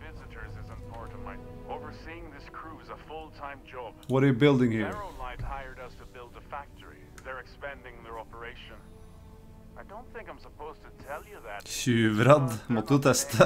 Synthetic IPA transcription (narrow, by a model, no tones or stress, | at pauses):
vɪzɨɾə˞zɪzə̃npʰɑɹɾʌvmã̰ɪoʊvə˞siɪ̃ŋðɪskʰɹ̥uzəfʊlˠtʰãɪ̃md͡ʒɑb̥wɔɾəjʉbɪlˠd̪ɪ̃ŋhiɹlaɪhaɪə˞ɾəz̥tʰɨbɪlˠdəfæk̚tʰə˞ḭ | ðə˞ɨkspɛ̃ndɪ̃ŋðə˞ɑpə˞eɪʃə̃n | aɪdõʊ̃nθɪ̃ŋkãɪ̃msəpʰoʊztʰətʰɛlˠjɨðætʃʉːʋɾɑd̪mɔt̪d̪ʉt̪ʰɛst̪ə